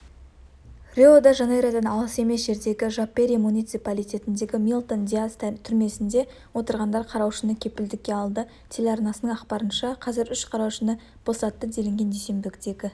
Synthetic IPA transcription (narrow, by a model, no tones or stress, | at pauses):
rʲeod̪ɑʒɑnejɾad̪ɑnɑlˠəse̞me̞sʒe̞ɾd̪e̞ɡʲɪʒapːeɾijmunijt̪sɨpalˠijt̪ʲe̞t̪ɪnd̪e̞ɡʲɪmʲijlˠt̪ond̪ijast̪t̪ʰʏɾme̞sɪnd̪e̞ | wo̞t̪əɾʁɑnd̪ɑɾqʰɑɾɑwʃənəkʲʰe̞pɪld̪ɪkʲːe̞ɑlˠd̪ə | t̪ʰelʲeɑɾnɑsənəɴɑqpɑɾənʃɑqʰɑzɪɾʏʃqʰɑɾɑwʃənə | b̥o̞sɑt̪ːəd̪e̞lɪŋɡʲe̞nd̪ese̞mbɪkʲɪt̪e̞kʲɪ